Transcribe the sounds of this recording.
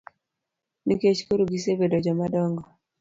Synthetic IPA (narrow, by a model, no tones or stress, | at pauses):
niket͡ʃkoɾuɡisebedɔd͡ʒɔmadɔŋɡɔ